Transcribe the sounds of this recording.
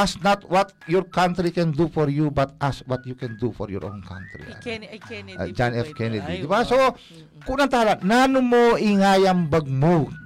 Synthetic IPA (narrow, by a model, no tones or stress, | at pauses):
asnɔt̪wɔt̪̚jɔrkant̪ɾikɛndufɔɾjubat̪aswɔt̪̚jukɛndufɔɾjɔ̰ɾʔõ̰nkã̰nt̪ɾḭ | d͡ʒanɛfkɛnɛdḭt̪ipaso | kunant̪aɦaɾananumoiŋajambəɡ̚mu